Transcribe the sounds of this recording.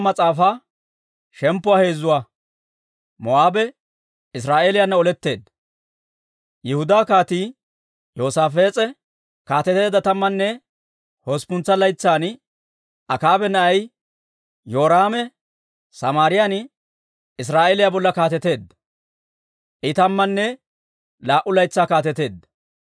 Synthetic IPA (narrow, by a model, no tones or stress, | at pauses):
mɐt͡sʼaːfa | ʃɛmpːʊwaːhe̞ːzːʊwa | mɔaːbɛ | ɪs̬ɾaːʔeːlɪjanːɐɔlɛt̪ːe̞ːd̪ | jɛhʊd̪aːkaːt̪iː | joːsaːfeːt͡sʼɛ | kaːt̪ɛt̪e̞ːd̪ɐt̪ɐmːɐnːɛ | hoːspʊnt͡sːɐlɐjt͡sːaːn | ʔɐkaːbɛnɐʔɐj | jo̞ːɾaːmɛ | sɐmaːɾɪjaːn | ɪs̬ɾaːʔeːlɪjabɔlːɐkaːt̪ɛt̪e̞ːd̪ːɐ | ʔɪt̪ɐmːɐnːɛ | laːʔʊlɐjt͡sːaːkaːt̪ɛt̪e̞ːd̪ːɐ